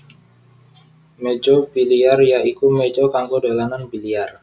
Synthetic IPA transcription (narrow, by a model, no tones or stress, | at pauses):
med͡ʒobiliarjaikumed͡ʒokaŋkodalananbiliar